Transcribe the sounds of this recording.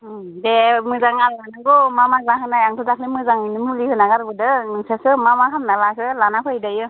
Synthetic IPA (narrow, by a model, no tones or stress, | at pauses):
demɯzaŋalanaɡɔmamazaɦɯnajaŋtʰudaklemɯzaŋɯnɯmulihɯnaɡaɾbɯdɯnɯŋsasɯmamakʰamnalakʰɯlanakʰɯjdajɯ